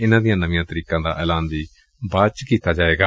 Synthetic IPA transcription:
ɪnãːd̪ɪjãːnəʋɪjãːt̪əɾiːkãːd̪a̰ːʔɛːlaːnʋiː | baːt͡ʃkiːt̪aːd͡ʒaːeːɡaː

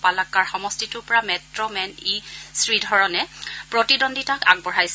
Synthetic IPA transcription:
palakːaɹxɔmɔstitʊɹpɔɹamɛtɹɔmɛnisɹidʱɔɹɔnɛpɹɔtidɔnditaka̰ɡ̚bɔɹajs

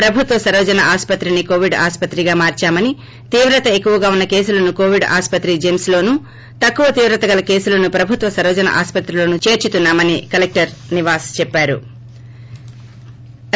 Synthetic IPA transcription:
pɾɐbʱut̪ʋɐsɐɾʋɐd͡ʒɐnɐʔaːspɐt̪ɾiniko̞ːʋiɖa̰ːspɐt̪ɾiɡaːmaːɾt͡ʃaːmɐni | t̪iːʋɾɐt̪ɐe̞kːuʋɐɡaːunːɐke̞ːsulɐnuko̞ːʋiɖa̰ːspɐt̪ɾid͡ʒemsloːnu | t̪ɐkːuʋɐt̪iːʋɾɐt̪ɐɡɐlɐke̞ːsulɐnupɾɐbʱut̪ʋɐsɐɾʋɐd͡ʒɐnɐ̰ʔa̰ːspɐt̪ɾiloːnut͡ʃe̞ːɾt͡ʃut̪unːaːmɐnikɐlek̚ʈɐɾniʋaːst͡ʃɛpːaːɾṵ

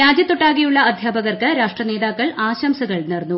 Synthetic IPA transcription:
ɾaːd͡ʑjɐt̪ːoʈːaːɣijuɭːɐɐd̪ʱjaːbɐɣɐrkɨɾaːʂʈrɐneːd̪aːkːɐɭaːɕɐmsɐɣɐɭnernːu

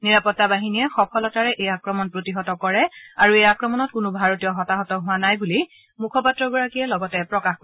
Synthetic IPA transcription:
niɹapɔtːabaɦiniɛxɔpʰɔlɔtaɹɛʔejakɹɔmɔnpɹotiɦɔtɔkɔɹɛaɹuejakɹɔmɔnɔt̚kʊnʊbʱaɹotijɔɦɔtaɦɔtɔɦʊwanajbuli | mukʰɔpatːɹɔɡɔɹakijɛlɔɡɔtɛpɹɔkaxko

